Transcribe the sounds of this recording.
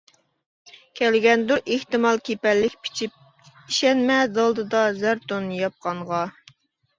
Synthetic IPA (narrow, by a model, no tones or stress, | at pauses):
kʲʰɛlɡʲɛnd̪uʔeht̪ɨmɑlˠkʲʰepɛlːɪkʲpʰi̥t͡ʃʰip̚ | iʃɛnmɛd̪ɑlˠd̪ɨd̪ɑzæɾt̪onjɑp̚qɑɴʁɑ